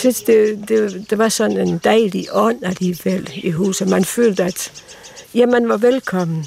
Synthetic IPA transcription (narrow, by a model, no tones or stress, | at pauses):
se̥d̥e̝d̥e̝d̥e̝ʋɑ̈sɒ̽ne̝nd̥æɪliʔɒ̽n̰æliːʋel̰iɦṵːs̩mænfø̰ːld̥əæd̥ | jæmænʋɑ̈ʋelkʰɒ̽m̰n̩